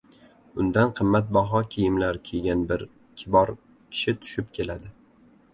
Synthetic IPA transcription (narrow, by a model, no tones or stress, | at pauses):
ʊnd̪anqʰɨmːat̪̚bɒɦɒkʲʰijɪmlaɾkʲʰeɡʲanbɪɾ | kʲʰɪbɒɾ | kʲʰɪ̥ʃɪt̪ʰʊ̥ʃɪp̚kʲʰe̞lad̪ɪ